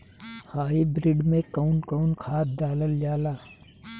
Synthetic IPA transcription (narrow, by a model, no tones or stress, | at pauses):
haːɦibɾɪɖmẽkəʊnkəʊnkʰaːt̪̚d̪aːləld͡ʒaːlaː